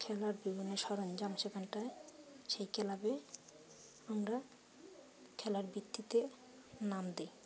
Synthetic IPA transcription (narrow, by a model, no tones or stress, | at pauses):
kʰɛlaɾbiboneʃɔɾond͡ʑamʃekʰanʈaeʃejkʰɛlabe | amɾa | kʰɛlaɾbɾit̪ːit̪e | namd̪e